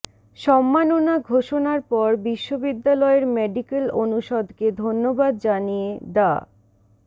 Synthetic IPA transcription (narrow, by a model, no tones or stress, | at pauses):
ʃɔmːanonaɡʱoʃonaɾpɔɾbiʃːobid̪ːalɔeɾmeɖikelonuʃod̪ʱked̪ʱonːobad̪d͡ʑanijed̪a̰